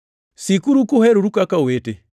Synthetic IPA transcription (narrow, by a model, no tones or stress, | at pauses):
sikuɾukuhɛɾuɾukakawetɛ